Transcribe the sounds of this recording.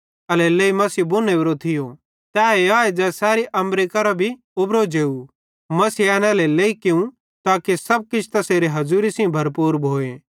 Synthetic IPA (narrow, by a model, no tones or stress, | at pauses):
ɐlɛleːimɐsiːbʊneːʋɾot̪ʰɪjo | t̪ɛːeaːed͡ʒɛːsɛːɾiʔɐ̃mɾeːkɐɾabʱi | ʊbɾod͡ʒeːu | mɐsiɛːnɛleleːikɪũ | t̪aːkesɐb̚kɪt͡ʃʰt̪ɐseːɾeɦɐzuːɾisĩbʱɐɾpuːɾbʱoːe